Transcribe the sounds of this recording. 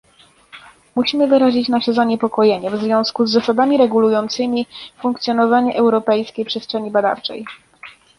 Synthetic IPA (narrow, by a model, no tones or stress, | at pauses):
muɕimɘvɘɾaʑit͡ɕnaʂɛzaɲɛpɔkɔjeɲɛvzvʲjɔ̃w̃skuzːasab̪amʲiɾɛɡulujɔnt̪sɘmʲifuŋkt̪sʲjɔnɔvaɲɛʔɛwɾɔpɛjskʲejpʂɛstʂɛɲibad̪a̰ft͡ʂɛ̰j